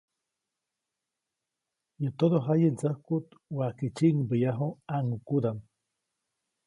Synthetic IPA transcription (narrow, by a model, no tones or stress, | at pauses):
jət̪oɾoɦajed͡zahkut̪waket͡ʃiŋbəjaɦoaŋukuɾam